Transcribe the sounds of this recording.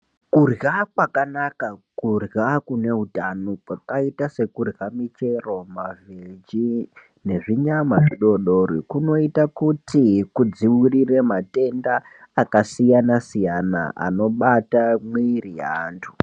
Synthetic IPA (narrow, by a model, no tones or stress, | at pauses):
kurjakwakanakakurjakune̞ɦutanokakaitase̞kurɣamit͡ʃe̞ro̞maved͡ʒi | ne̞ʐiɲamaʐiɗo̞ɗoɾikuno̞itakutikud͡ziwuriremate̞ndaː | kasijanasijana̰a̰no̞ɓatamwirija̰ːntʰu̥